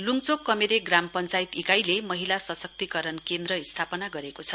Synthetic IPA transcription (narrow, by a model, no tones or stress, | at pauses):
luŋt͡sokːʌmeɾeɡrampʌnt͡sajt̪ikajlemʌɦilasʌsʌk̚t̪ikʌɾʌnkend̪rʌist̪ʰapʌnaɡʌɾekot͡sʰʌ̥